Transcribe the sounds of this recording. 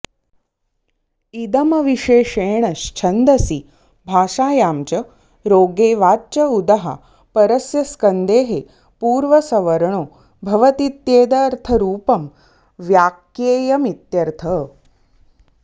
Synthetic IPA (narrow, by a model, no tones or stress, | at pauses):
id̪ɐmɐʋiʃeːʂeːɳɐʃt͡ʃʰɐnd̪ɐsi | bʱaːʃaːjaːmt͡ʃɐ | ɾoːɡeːʋaːt͡ʃɐud̪ɐɦɐ̰ | pɐɾɐsjɐskɐnd̪eːɦe | puːɾʋɐsɐʋɐɾɳoː | bʱɐʋɐt̪it̪jeːd̪ɐːɾt̪ʰɐɾuːpɐm | ʋjaːkjeːjɐmit̪jɐɾt̪ʰɐ